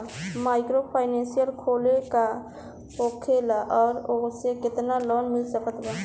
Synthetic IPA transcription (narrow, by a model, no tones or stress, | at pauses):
maːɪkɾopʰaːɪnẽnsijəlkʰoːleka | okʰelaʔɔːɾosekɪt̪nalɔːnmɪlsəkət̪ba